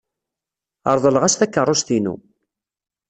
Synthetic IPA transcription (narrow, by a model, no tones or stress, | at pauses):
ə̰ɾˤðˤələʁæsθækːərˤːosθinṵ